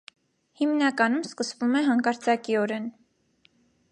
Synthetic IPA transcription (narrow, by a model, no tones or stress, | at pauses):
himnɑkɑnumskəsvumɛɦɑŋkɑɾt͡sʰɑkiɔɾɛn